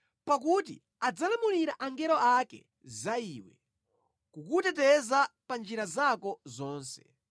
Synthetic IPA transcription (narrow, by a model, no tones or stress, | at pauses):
pak̬ut̬ḭ | ad͡zalamuɾiɾaʔaŋɡɛɾɔakɛ̰ | zaiːwɛ̰ | kukutɛt̬ɛzapand͡ʒiɾazakɔzɔːnsɛ̰